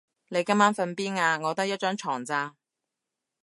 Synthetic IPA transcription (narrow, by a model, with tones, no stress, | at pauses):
ne˨˧jkɐ˥mːaː˥nfɐ˧npiː˥naː˧ŋɔː˨˧t̪ɐ˥k̚jɐ˥t̚t͡ʃœː˥ŋt͡ʃʰɔː˨˩ŋt͡saː˧